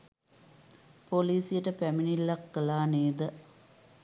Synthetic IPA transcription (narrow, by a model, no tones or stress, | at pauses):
poliːsijəʈəpæminilːakːəlaːneːd̪ə